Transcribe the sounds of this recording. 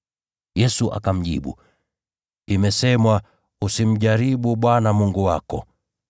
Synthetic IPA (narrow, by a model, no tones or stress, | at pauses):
jɛsuʔa̰kam̩ʄḭɓṵ | imɛsɛmwa | usim̩ʄaɾiɓuɓwanamuŋɡuwakɔ